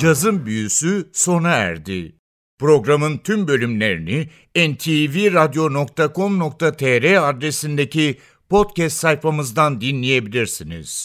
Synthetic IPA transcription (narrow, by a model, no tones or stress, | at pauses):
d͡ʒazɯmbyjysyso̞naæ̰ɾd̪ɪ̰ | pɾo̞ɡɾamɯnt̪ʰymbø̞lʲymlʲe̞ɾini | ɛnt̪ʰiviɾad̪jo̞no̞k̚t̪ʰakʰo̞mno̞k̚t̪ʰat̪ʰɛɾɛad̪ɾe̞sind̪e̞ci | pʰo̞t̪cɛst̪sajfamɯzd̪and̪inlʲije̞bilʲiɾsinḭz̥